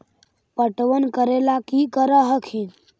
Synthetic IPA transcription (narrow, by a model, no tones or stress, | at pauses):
pəʈʋənkəɾelakikəɾəɦəkʰin